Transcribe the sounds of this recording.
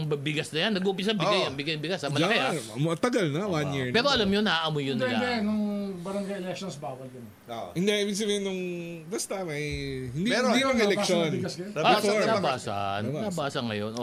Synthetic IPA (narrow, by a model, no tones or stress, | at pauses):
bɐbɪɡɐsnɐjanːɐɡuːpɪs̬ɐbɪɡajɐŋbɪɡɐjbɪɡasɐmɐlɐkeaɐt̪ɐɡalnɐwanjiɹpɛːɾoʔɐlɐmjonɐaʔɐmojʊnːɐlaɐnʊŋbɐɾɐŋɡajɛlɛkʃonsbaːwɐld̪ɪn | ohɪnd̪eibɪɡs̬ɐbeɪnʊŋbɐst̪amɐjhɪnd̪iɛd̪iɐŋɛlɛʃonbɪɡɐsɡɐjoanabaːsa̰nnabaːsɐŋːɐ̰jo̰nʔo